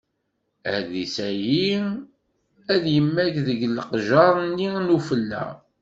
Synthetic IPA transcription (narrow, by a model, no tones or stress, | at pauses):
æðisæji | æðjəmːækðəɡləqʒɑɾˤnːinufəlːæ̰